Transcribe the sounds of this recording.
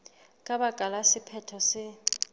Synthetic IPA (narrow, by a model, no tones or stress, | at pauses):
kʼaɓaɡ̥ʱalasipʰɛtʰɔsɪ